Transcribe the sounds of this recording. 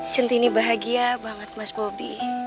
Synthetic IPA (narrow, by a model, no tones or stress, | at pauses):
t͡ʃənt̪inibaɦaɡiabaŋət̪̚masbobi